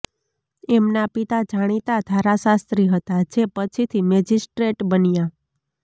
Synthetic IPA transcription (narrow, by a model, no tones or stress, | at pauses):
emnapit̪ad͡ʒaɽ̃it̪ad̪ʱaɾasast̪ɾiɦət̪ad͡ʒepət͡ʃʰit̪ʰimɛd͡ʒisʈɾeʈbənija